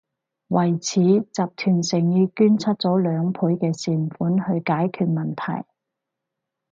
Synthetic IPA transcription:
wɐ˨˩jt͡sʰiː˨˥t͡saː˨˧p̚t̪ʰyː˨˩nsɪ˨˩ŋjiː˧kyː˥nt͡sʰɐ˥t̚t͡sɔː˨˥lœː˨˧ŋpʰuː˨˥jkɛː˧siː˨˩nfuː˨˥nhɵ˧ɥkaː˨˥jkʰyː˨˧t̚mɐ˨nt̪ʰɐ̰˨˩j

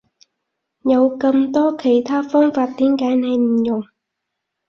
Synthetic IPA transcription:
jɐ˨˧wkɐ˧mt̪ɔː˥kʰe˨˩jt̪ʰaː˥fɔː˥ŋfaː˧t̚t̪iː˨˥nkaː˨˥jnɐ˨˧jm̩˨˩jʊ˨˩ŋ

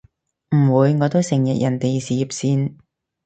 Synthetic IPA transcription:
m̩˨˩wuː˨˧jŋɔː˨˧t̪o˥wsɪ˨˩ŋjɐ˨k̚jʔɐ˨˩nt̪e˨jsiː˨˧jiː˨˩p̚siː˧n

